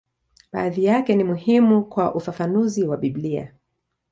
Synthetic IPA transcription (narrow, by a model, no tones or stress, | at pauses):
ɓa̰ːðijakɛnimuhimukwaʔufafanuziwaɓiblia̰